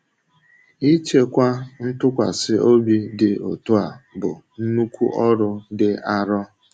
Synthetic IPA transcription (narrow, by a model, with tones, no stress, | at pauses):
i˦t͡ʃe˦kʷa˦n̩˦tʊ˦kʷa˨sɪ˦o˦bi˦dɪ˨o˨tu˦a˨bʊ˨n̩˦nu˦kʷu˦ʔɔ˦ɾʊ˦dɪ˦a˦ɾɔ˦